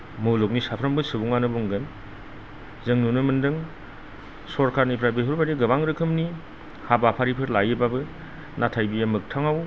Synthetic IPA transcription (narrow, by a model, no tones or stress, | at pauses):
mɯlok̚nisapʰɾɐmbɯsɯbuŋanɯbuŋɡɯn | zɯŋnunɯmɯndɯŋ | sɔɾkʰaɾnipʰɾabeɦuɾbaɾiɡɯbaŋɾɯkʰɯmni | habapʰaɾipʰɯɾlajɯbabɯ | nʔatʰajbijamɯk̚tʰaŋaw